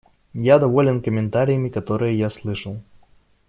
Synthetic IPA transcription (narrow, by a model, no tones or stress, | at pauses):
jad̪ɐvo̞lʲɪnkəmʲɪnt̪aɾʲɪjəmʲɪkɐt̪o̞ɾɨjəjaslˠɨʂəlˠ